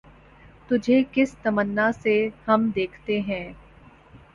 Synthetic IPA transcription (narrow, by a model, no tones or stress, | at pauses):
t̪ʊd͡ʒʱekɪst̪ɐmənːasehɐmd̪eːkʰt̪eɦɛ̃ː